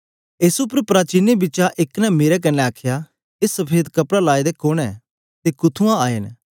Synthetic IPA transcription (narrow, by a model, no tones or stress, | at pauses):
eːsupəɾpɾaːt͡ʃiːnebɪːt͡ʃaʔɪknɛmeːɾɛk̬ɐnɛ̃aːkʰja | esəpʰeːd̪kɐpɽalaːid̪ekoɽ̃ɛː | t̪ekʊt̪ʰũãaːen